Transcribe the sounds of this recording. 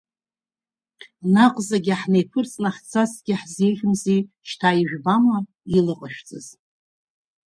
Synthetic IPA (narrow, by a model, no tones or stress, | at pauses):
naqʼzaɡʲɪaħnejpʰɨrt͡sʼnaħt͡sʰasɡ̥ʲɪħzejʒʲɪmzi | ʃtʰaːiʒᶣbama | ilɨqʼəʃᶣt͡sʼɨ̰z